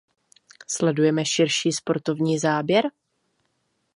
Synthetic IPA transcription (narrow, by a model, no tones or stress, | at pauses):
slɛdujɛmɛʃɪɾʃiːspo̞ɾt̪o̞vɲiːzaːbjɛɾ